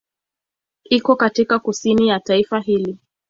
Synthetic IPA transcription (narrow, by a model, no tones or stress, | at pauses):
ikɔkatikakusinijataifaɦili